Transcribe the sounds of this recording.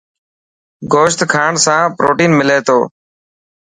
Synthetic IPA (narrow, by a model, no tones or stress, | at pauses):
ɡoːʃt̪kʰaːɳsãːpɾoːʈiːnmɪleːt̪ʰoː